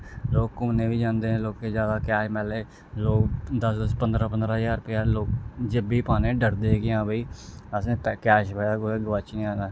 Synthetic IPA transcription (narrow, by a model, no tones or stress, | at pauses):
loːkːʊmnẽːʋiːd͡ʒãːnd̪ẽːloːkeːzjaːd̪aːkɛːʃmɛːleː | loːkd̪əsd̪əspənd̪ɾãːpənd̪ɾaːɦjaːɾpejaːloːkd͡ʒebiːpaːnẽːɖəɾd̪eːɡɪjãːbiːəsẽːkɛːʃbeaːkoːeːɡəʋat͡ʃnĩːãːd̪aː